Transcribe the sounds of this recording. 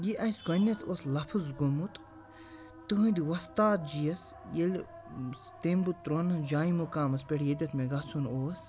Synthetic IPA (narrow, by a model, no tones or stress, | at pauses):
jiʔɐjskɐnʲɐt̪ʰoːslɐpʰɨzɡomut̪ | t̪uɦũd̪iwɐst̪aːt̪̚d͡ʒijɐs | jelʲ | t̪embut̪ːɾonɐd͡ʒaːimukaːmɐspʲeɽjed̪ʲɐt̪ʰmeɡɐsʰunoːs